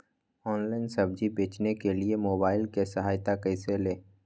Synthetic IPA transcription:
ɔːnlaːɪnsɐbd͡ʒibeːt͡ʃnekeliemoːbaːɪlkesɐɦaːjt̪akɐɪseleː

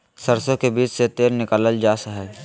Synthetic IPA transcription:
səɾsõkebiːt͡ʃset̪eːlnɪkaːləld͡ʒaːsəɦɛ

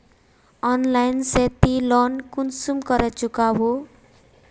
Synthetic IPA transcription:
ʌnlajnset̪ilɔnkunsumkʌɾʌt͡sukabo

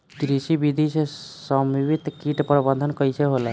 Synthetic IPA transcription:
t̪ɾisibid̪ʱisesəmiʋit̪kiʈpɾəbənd̪ʱənkəjseɦolə

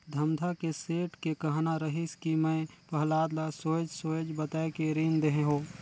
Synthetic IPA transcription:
d̪ʱɐmd̪ʱakeseːʈkekəɦnaɾəɦɪskimɛ̃pəɦlaːd̪lasoːd͡ʒsoːd͡ʒbət̪aːekeɾiːnd̪eɦẽɦoː

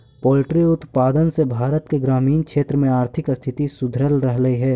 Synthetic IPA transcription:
pɔːlɪʈɾiʊt̪paːd̪ənsebʱaːɾət̪keɡɾaːmiːnkʰʃeːt̪ɾəmẽaːɾt̪ʰɪkst̪ʰɪt̪isʊd̪ʱɾəlɾəɦləɦiɦɛː

